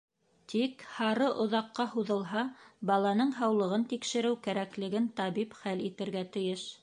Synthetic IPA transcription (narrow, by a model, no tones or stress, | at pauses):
t̪ʰikhɑɾɤʔŏðɑqːɑhuðɤ̆lˠɦɑbɑlˠɑnɤɴɦɑwlˠɤ̆ʁɤnt̪ikʃɘ̆ɾɘwkæɾæklɘ̆ɡɘnt̪ɑβipχælit̪ɘ̆ɾɡæt̪ɘ̆jɘʃ